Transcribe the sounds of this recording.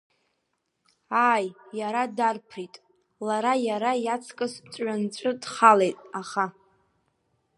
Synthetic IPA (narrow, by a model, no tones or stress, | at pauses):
aːjːaɾadarpʰritʼ | laɾajaɾajat͡sʰkʼɨst͡ʃʷʼɥant͡ʃʷʼɨdχalejtʼaχa